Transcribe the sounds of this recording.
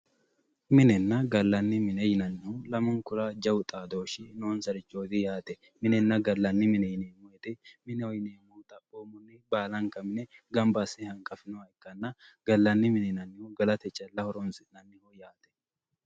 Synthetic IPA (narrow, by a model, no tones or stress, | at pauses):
mɪnɛnːɐɡɐlːɐnːɪmɪnɛjɪnɐnːɪhʊlɐmɐŋkʊɾaːd͡ʒɐwʊt̪ʼaːd̪o̞ːʃɪnoːnsɐɾɪt͡ʃːoːd̪ɪjaːt̪ɛ | mɪnɛnːɐɡɐlːɐnːɪmɪnɛjɪneːmʊjɛt̪ɪmɪnɛwɔjɪneːmːut̪ʼɐpʼːoːmʊnːɪbaːlɐŋkɐmɪnɛɡɐmbɐsɪhɐŋkʼɐfɪnɔɐjɪkːɐnːɐɡ̥ɐlːɐnːɪmɪnɛjɪnɐnːɪhʊɡɐlɐt̪ɛt͡ʃʼːɐlːɐhɔɾɔnsɪnɐnːɪhɔjaːt̪ɛ̥